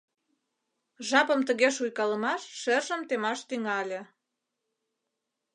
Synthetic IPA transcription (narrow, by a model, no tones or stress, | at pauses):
ʒɑpəmt̪əɣeʃujkɑləmɑʃʃerʒəmt̪emɑʃt̪yŋɑlʲe